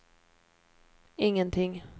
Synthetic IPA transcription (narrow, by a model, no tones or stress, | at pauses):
ɪŋːənt̪ʰɪŋː